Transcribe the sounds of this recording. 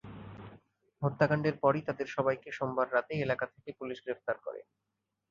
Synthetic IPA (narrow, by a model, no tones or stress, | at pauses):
ɦot̪ːakaɳɖeɾpɔɾit̪ad̪eɾʃɔbajkeʃombaɾːat̪eelakat̪ʰe̥kepuliʃɡɾef̚t̪aɾkɔ̰ɾḛ